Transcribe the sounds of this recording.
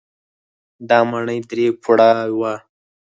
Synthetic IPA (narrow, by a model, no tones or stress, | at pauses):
d̪ɑmaɳəjd̪ɾekʰuɽawa